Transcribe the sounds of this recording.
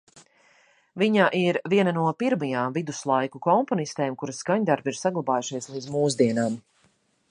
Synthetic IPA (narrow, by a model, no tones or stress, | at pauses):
viɲaʔiɾviɛnanuɔpiɾmajaːmvid̪uslˠajkukɔmpɔnist̪eːmkuɾaskaɲd̪aɾbiɾsaɡlˠabaːjuʃiɛslˠiːd̪muːzd̪iɛnaːm